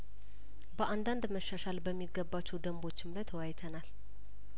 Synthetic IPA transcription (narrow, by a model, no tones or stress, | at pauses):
bəʔand̪and̪məʃːaʃalbəmːiɡːəbːat͡ʃːud̪əmbo̞t͡ʃːɪmlajt̪ʰəwajt̪ʰənal